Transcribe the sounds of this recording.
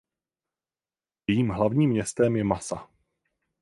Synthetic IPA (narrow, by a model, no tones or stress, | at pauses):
jɛjiːmɦlavɲiːmɲɛst̪ɛmjɛmasa